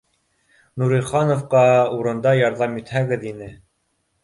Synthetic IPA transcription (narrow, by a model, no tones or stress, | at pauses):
nuɾĭχɑnŏfqɑuɾɤ̆nd̪ɑjɑɾðɑmjɵ̆t̪hæɡɘðinɘ